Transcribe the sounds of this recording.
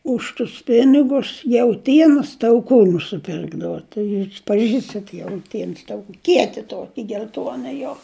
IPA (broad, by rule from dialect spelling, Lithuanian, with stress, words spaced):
ˈʊʃ tʊs ˈpʲɪnʲɪɡʊs jɛʊˈtʲiɛnoːs tɐʊˈkuː nʊsʲɪˈpʲɪrɡdɐʋoː tɐɪ pɐˈʒʲiːstɐt jɛʊˈtʲiɛns ˈtɐʊkuː ˈkʲiɛtʲɪ ˈtoːkʲɪ ɡʲɛlʲˈtuɔnɐ joː